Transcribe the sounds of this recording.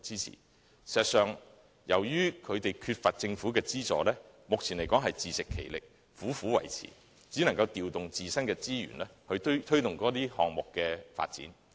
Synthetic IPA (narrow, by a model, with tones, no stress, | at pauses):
t͡siː˥t͡sʰḭː˨˩ | si˨˩zɐ˨t̚sœː˨ŋ | jɐ˨˩wjyː˥kʰɵ˨˧t̪e˨jkʰyː˧t̚fɐ˨t̚t͡sɪ˧ŋfu˨˥kɛː˧t͡siː˥t͡sɔ̰ː˨lɛː˥ | mʊ˨k̚t͡sʰiː˨˩nle˨˩jkɔː˨˥ŋɦɐ˨jt͡siː˨sɪ˨kʰːe˨˩jlɪ˨k̚ | fuː˨˥fuː˨˥wɐ̰˨˩jt͡sʰḭː˨˩ | t͡siː˨˥nɐ˨˩ŋkɐ˧wt̪iː˨wt̪ʊ˨ŋt͡siː˨sɐ˥nkɛː˧t͡siː˥jy̰ː˨˩nlɛː˥hɵ˨˧ɥt̪ʰɵ˥ɥt̪ʊ˨ŋkɔː˨˥t̪iː˥hɔː˨ŋmʊ˨kːɛː˧fa̰ː˧t̚t͡sḭː˨˥n